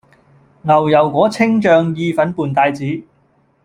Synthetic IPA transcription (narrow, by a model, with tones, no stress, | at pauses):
ŋɐ˨˩wjɐ˨˩wkʷɔː˨˥t͡sʰɪ˥ŋt͡ʃœː˨˧ŋjiː˧fɐ˨˥npuː˨˩nt̪aː˧jt͡siː˨˥